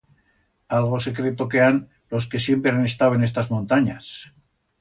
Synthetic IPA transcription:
alɣ̞o̞se̞kɾe̞t̪o̞kean | lo̞ske̞sje̞mpɾeane̞st̪awe̞ne̞st̪azmõnt̪aɲas

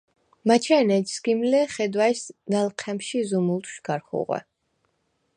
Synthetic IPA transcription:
mat͡ʃʰɛnɛd͡ʒskimlɛχɛd̪waisnalqʰɛmʃizumulˠt̪ʰʃɡ̥aɾχṵʁwɛ̰

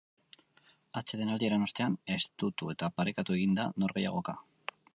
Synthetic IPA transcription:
at͡ʃe̞ðe̞nald̪ie̞ɾano̞st̪e̞ane̞st̪ut̪ue̞t̪apaɾekat̪ue̞ɣind̪ano̞ɾɣe̞ja̰ɣ̞o̞ka

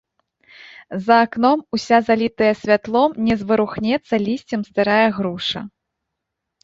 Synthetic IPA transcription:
zɐːknɔmusʲazalʲit̪ɐjɐsʲvʲat̪lˠɔmnʲɛzvɨɾuxnʲɛt̪sːɐlʲisʲt͡sʲɛmst̪ɨɾajɐɣɾuʂɐ̰

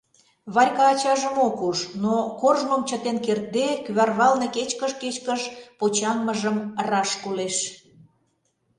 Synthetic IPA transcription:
βɑɾʲkɑːt͡ɕɑʒəmokuʃnokorʒmomt͡ɕət̪enkert̪̚d̪ekyβɑrβɑlneket͡ɕkəʃket͡ɕkəʃpot͡ɕɑŋməʒəmrɑʃkuleʃ

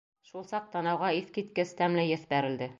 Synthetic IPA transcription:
ʃulˠsɑq̚t̪ɑnɑwʁɑiθkit̪kɘst̪æmlæjɘθbæɾɘ̆ld̪ɘ

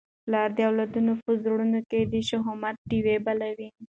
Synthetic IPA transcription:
lɑɾd̪əawlad̪unofʊzɾɽunoked̪əʃoɦomat̪̚ɖiwebalawi

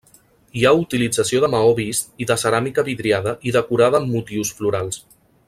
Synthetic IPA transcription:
iaut̪ilid͡zəsioðəmaɔβist̪iðəsəɾamikəβiðɾiaðəʔiðəkuɾaðəːmːut̪iwsfluɾalˠs

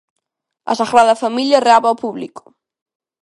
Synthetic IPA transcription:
ɐ̰saɣɾaðɐfamiʎɐreaβaopuβlikʊ̥

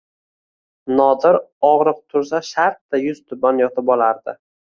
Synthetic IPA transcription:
nɒd̪ɪɾɒʁɾɨq̚t̪ʰʊɾs̬aʃaɾt̪̚ːajʊz̥t̪ʰʊbanjɒt̪ʰɪpɒlaɾd̪ɪ

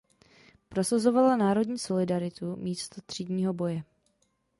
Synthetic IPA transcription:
pɾo̞sazo̞valanaːɾo̞dɲiːso̞lɪdaɾɪt̪umiːst̪ot̪r̝̥iːdɲiːɦo̞bo̞jɛ

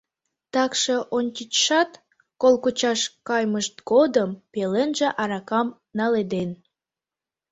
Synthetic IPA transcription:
t̪ɑkʃeʔont͡ɕit͡ɕʃɑt̪ | kolkut͡ɕɑʃkɑjməʃt̪ɡod̪əmpelenʒĕʔɑɾɑkɑm | nɑled̪en

